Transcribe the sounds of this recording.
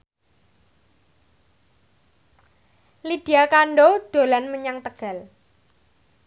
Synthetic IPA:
lid̥i̤akaɳɖod̪̥o̤lanməɲaŋt̪əɡ̥a̤l

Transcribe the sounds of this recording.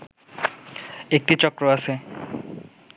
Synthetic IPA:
ek̚ʈit͡ɕɔkɾoasʰe

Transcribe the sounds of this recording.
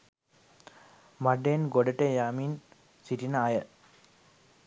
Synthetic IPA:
maɖenɡoɖɐʈejaːmin | siʈinaːjə

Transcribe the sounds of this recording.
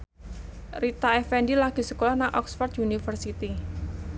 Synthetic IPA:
rit̪aɛfɛndilaɡ̥i̤səkolahnaŋʔɔksfɔrt̪unifərsit̪i

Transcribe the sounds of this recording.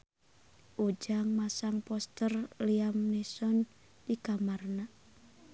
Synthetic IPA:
ʔod͡ʒaŋmasaŋpɔst̪ərliamnɛsɔn | dikamarna

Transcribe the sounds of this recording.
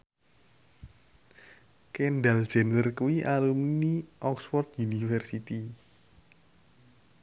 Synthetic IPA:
kɛnɖal̥d͡ʒ̥ɛnt̪ərkuwiʔalumniʔɔksfɔrt̪unifɛrsit̪i

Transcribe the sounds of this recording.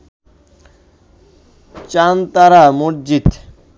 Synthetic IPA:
t͡ɕant̪aɾamuɾd͡ʑit̪

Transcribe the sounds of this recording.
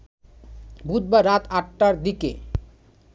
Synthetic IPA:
bʱut̪̚baɾat̪ʰaʈːaɾd̪ikḛ

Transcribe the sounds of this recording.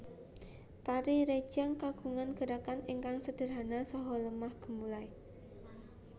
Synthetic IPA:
t̪aɾiɾe̥d͡ʒ̥aŋkaɡ̥ṳŋanɡ̥ə̤ɾakaniŋkaŋsəd̥ə̤rɦanasɔɦɔləmahɡ̥ə̤mulai

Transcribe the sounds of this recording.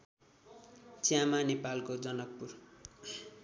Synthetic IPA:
t͡sjamanepalkod͡zʌnʌk̚pur

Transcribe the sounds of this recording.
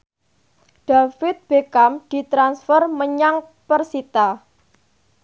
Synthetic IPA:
ɖ̥afɪt̪̚b̥ekamd̪̥i̤t̪ɾansfərməɲaŋ | pərsit̪a

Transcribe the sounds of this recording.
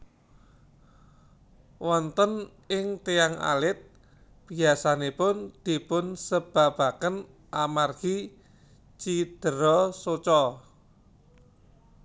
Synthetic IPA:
wɔnt̪ən | ɪŋt̪eaŋa̰lɪt̪̚ | b̥i̤asanepʊnd̪̥i̤pʊnsəb̥a̤b̥a̤kən | ʔamarɡ̥i | t͡ʃid̪̥əɾɔsot͡ʃɔ

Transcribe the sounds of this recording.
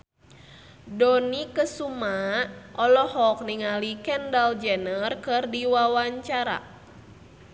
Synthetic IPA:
dɔnikəsumaʔɔlɔhɔk̚niŋalikɛndald͡ʒɛnərkɨrdiwawaɲt͡ʃaɾa̰

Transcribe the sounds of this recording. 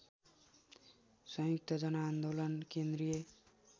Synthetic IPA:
sʌ̃juk̚t̪ʌd͡ʒʌnaːnd̪olʌnkend̪ɾije

